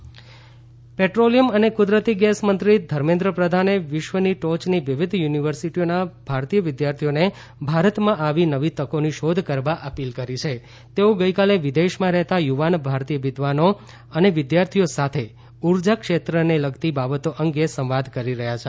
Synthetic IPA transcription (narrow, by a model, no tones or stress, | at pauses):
peʈɾolijəmənekʊd̪ɾət̪iɡɛsmənt̪ɾid̪ʱəɾmẽnd̪ɾəpɾəd̪ʱaneʋɪʃʋəniʈot͡ʃniʋɪʋɪd̪ʱjuniʋəɾsiʈionab̥ʱaɾt̪ijəʋɪd̪jaɾt̪ʰijone | bʱaɾət̪mãʔaʋinəʋit̪əkoniʃod̪ʱkəɾʋaʔəpilkəɾit͡ʃʰe | t̪eoɡəjkaleʋɪd̪eʃmãɾɛɦt̪ajuʋanbʱaɾt̪ijəʋɪd̪ʱʋano | əneʋɪd̪jaɾt̪ʰijosat̪ʰe | uɾd͡ʒakʃet̪ɾəneləɡt̪ibabət̪oʔəŋɡjesə̃ʋʋad̪ʱkəɾiɾəɦjat͡ʃʰe